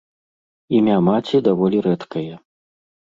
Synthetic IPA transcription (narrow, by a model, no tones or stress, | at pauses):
imʲamat͡sʲid̪avɔlʲiɾɛt̪kɐjɐ